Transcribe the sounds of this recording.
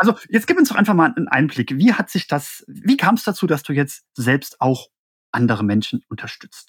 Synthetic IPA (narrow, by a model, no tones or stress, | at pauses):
ʔalzojɛt͡sɡ̥iːpʊnsdɔʁχaɪnfaχmaːlənʔa̰ɪnənblɪkviːhatz̥ɪçd̥asviːkʰaːmɛsd̥at͡suːd̥asd̥uːjɛt͡st | z̥ɛlpstʔaʊx | ʔandəʁ̞əmɛnʃn̩ʊntʰɐʃtʏt͡st